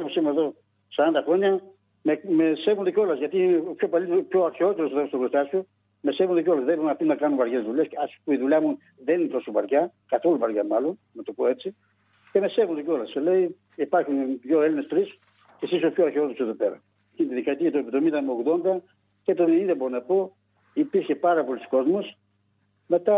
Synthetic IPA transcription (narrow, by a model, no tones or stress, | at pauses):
posimeðo̞ | sɐɾɐnd̪ɐxo̞ɲɐ | memesevund̪ecʲo̞lɐzʝɐt̪ipçopɐlit̪pço̞ɐɾçeot̪eɾoseðost̪oɡɾost̪ɐsu | me̞se̞vund̪ecolɐzðebɾunɐft̪inɐkɐnuvɐɾʝezðuʎesɐspuiðuʎɐmu | ðeninep̪osupɐɾʝɐkɐθo̞lupɐɾʝɐmɐlo̞n | nɐt̪opo̞e̞t͡si | ce̞me̞se̞vond̪oceo̞lɐselei | ipɐɾxunʝoelinest̪ɾis | cesisopçoɐɾçeo̞t̪eɾoseðo̞pe̞ɾɐ̰ | cinet̪iðikɐt̪iɐt̪oep̪ðomind̪ɐmeo̞ɣðo̞nd̪ɐ | cet̪oinðeboɾonɐpo̞ | ipiɾçe̞pɐɾɐpolisko̞zmo̞s | me̞t̪ɐ